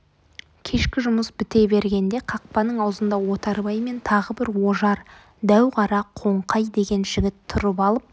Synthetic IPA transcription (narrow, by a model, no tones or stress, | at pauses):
kʲʰe̞ʃkʲɪʒʊməsbɪt̪e̞be̞ɾɡʲe̞nd̪e̞qʰɑq̚pɑnəɴɑwzənd̪ɑwo̞t̪ɑɾbɑjme̞nt̪ʰɑʁəbɪɾwo̞ʒɑɾ | d̪æwʁɑɾɑqʰo̞ɴqɑjd̪e̞ɡʲe̞nʒɪɡʲɪt̪ʰːʊɾəpɑlˠəp̚